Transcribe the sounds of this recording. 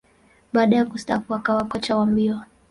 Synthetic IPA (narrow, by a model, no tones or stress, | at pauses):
ɓaːɗajakusta̰kuakawakɔt͡ʃawambiɔ